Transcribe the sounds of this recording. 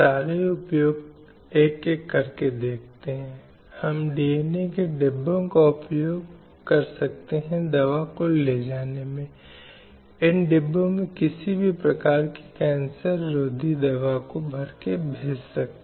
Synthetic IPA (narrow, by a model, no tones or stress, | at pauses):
saːɾeʊpjoːɡ | eːkːekːɐɾked̪eːk̚ʰt̪eɦɛ̃ː | hɐmɖenekeɖɪbːõkaʊpjoːɡ | kɐɾsɐk̚t̪eɦɛ̃d̪ɐʋakoled͡ʒaːnemẽ | ɪnɖɪbːõmẽkɪsibʱipɾɐkaːɾki̥kɛ̃ːnsəɾːoːd̪ʱid̪ɐʋakobʱɐɾkebʱeːd͡ʒsɐk̪̚